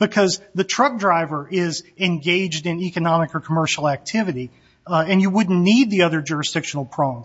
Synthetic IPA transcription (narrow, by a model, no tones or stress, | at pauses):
b̥ɨkʰʌzðɨtʰɹ̥ʌk̚dɹaɪvə˞ʔɪzɨ̃nɡeɪd͡ʒdɨ̃nikɨnɑmɨkə˞kʰəmɜ˞ʃl̩ˠæk̚tʰɪvɨɾi | ɨ̃njɨwʊdⁿn̩nid̪̚ðiʌðə˞d͡ʒʊɹɨsd̥ɪkʃn̩l̩ˠpʰɹ̥õʊ̃n